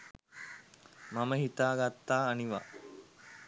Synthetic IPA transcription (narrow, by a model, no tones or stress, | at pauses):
maməɦit̪aːɡat̪ːaːniʋa̰